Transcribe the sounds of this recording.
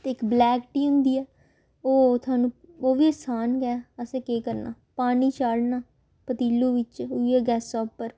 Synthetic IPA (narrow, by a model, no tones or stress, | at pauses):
t̪eːɪkblɛːkʈiːɦʊ̃nd̪iːɛː | oːt̪ʰʊaːnũː | oːʋiːəsaːnkɛːəsẽːkeːkəɾna̰ː | paːniːt͡ʃaːɽnaː | pət̪iːloːʋɪt͡ʃʊiɛːɡɛːsːɔːpːəɾ